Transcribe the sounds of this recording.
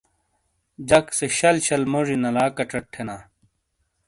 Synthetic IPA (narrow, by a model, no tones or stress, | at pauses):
d͡ʑɐkseɕɐlɕɐlmoʐinɐlaːkɐʈ͡ʂɐʈʰːenaː